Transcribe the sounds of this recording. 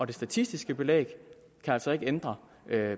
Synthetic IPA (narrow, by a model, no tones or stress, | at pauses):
ɒ̽d̥e̝sd̥æt͡sʰisd̥isɡ̥əb̥e̝lɛ̰ːɡ̥ | kʰææl̰sɒ̽e̝ɡ̥əend̥ʁɐ | ø